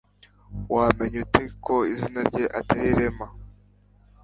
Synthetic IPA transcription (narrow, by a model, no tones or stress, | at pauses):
waːme̞ɲuteko̞izinaɾɟeʔateɾiɾema